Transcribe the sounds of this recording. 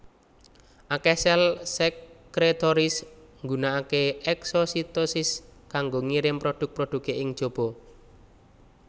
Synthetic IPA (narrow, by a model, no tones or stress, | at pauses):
ʔakɛsɛlsɛkkɾet̪ɔɾɪsŋɡunaakeɛksɔsit̪osɪskaŋɡoŋiɾɪmpɾoɖ̪̥ʊ̤k̚pɾoɖ̪̥ṳkeʔɪŋ̥ʒ̥o̤b̥ɔ